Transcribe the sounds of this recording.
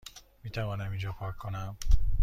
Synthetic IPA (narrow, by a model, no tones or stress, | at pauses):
miːt̪ʰævɒːnæmind͡ʒɒːpʰɒːkʰːonæm